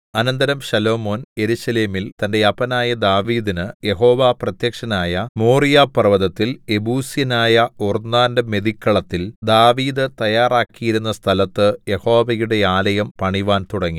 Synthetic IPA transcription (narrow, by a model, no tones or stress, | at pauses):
ɐnɐnd̪ɐɾɐmʂɐlo̞ːmo̞ːnje̞ɾuɕɐleːmilt̪ɐnde̞ɐpɐnaːjɐd̪aːʋiːðinɨje̞ɦo̞ːʋaːprɐt̪jɐkʂɐnaːjɐmoːrijaːpːɐrɐʋɐðɐt̪ːile̞buːsjɐnaːjɐornːaːndɐme̞ðikːɐɭɐt̪ːild̪aːʋiːðɨt̪ɐjaːraːkːijiɾunːɐst̪ʰɐlɐt̪ːɨje̞ho̞ːʋɐjuɽe̞aːlɐjɐmpɐɳiʋaːnt̪uɽɐŋːi